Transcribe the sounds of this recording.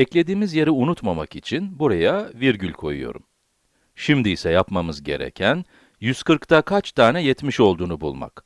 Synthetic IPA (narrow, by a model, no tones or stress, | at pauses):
ɛclʲe̞d̪iːmizje̞ɾiunut̪mamakit͡ʃʰinbuɾajaviɾɟylʲkʰo̞̰jṵjo̞̰ɾṵm | ʃimd̪iːsɛjapmamɯzɟe̞̰ɾɛ̰cʰæn | jyzkɯɾkt̪ʰakʰat͡ʃt̪ʰaːnɛjɛt̪miʃo̞lˠd̪uːnubṵlˠma̰k